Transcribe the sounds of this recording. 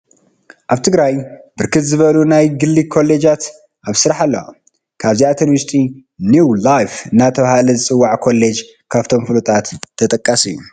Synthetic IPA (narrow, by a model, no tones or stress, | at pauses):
ʔaβt̪ʰɨɡɾajbɨɾkʰɨt̪zɨβɐlunajɡɨlːikʰo̞lːe̞d͡ʒat̪ | ʔaβsɨɾaħalːɐwo̰ | kʰaβziat̪ʰɐnvɨst̪ʰʼinjulajfɨnːat̪ʰɐβahalɐzɨt͡sʼɨwːaʕkʰo̞lːed͡ʒ | kʰaβt̪ʰo̞mfɨlut̪ʼat̪ʰːɐt̪ʼɐkʼːasɨjːu